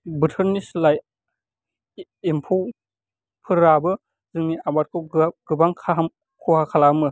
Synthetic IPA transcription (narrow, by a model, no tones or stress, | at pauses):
bɯtʰəɾnislaj | impʰow | pʰɯɾabɯ | zɯŋniabat̚kʰɯwɡɯbaŋkʰam | kʰuhakʰalamɯ